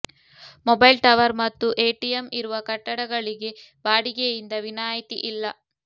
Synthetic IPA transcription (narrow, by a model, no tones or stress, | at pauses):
mɔbɐjlʈɐʋɐɾmɐt̪ːuʔe̞ːʈijemiɾuʋɐkɐʈːɐɽɐɡɐɭiɡe̞ | baːɽiɡejind̪ɐʋinaːjit̪iʔilːɐ